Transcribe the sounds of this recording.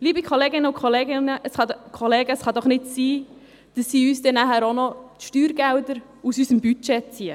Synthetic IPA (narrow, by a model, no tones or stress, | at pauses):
liːbikʰoleːɡɪnːəʊkʰχoleɡɪnəʔəsχɑdkʰoleːɡəsχɑd̪ɔχnɪtsiː | d̥əsːiːyːsdɛnæɦæːɾonɔtʃtyːɾɡæwdəɾ | usysəmbyt͡ʃɛt͡siə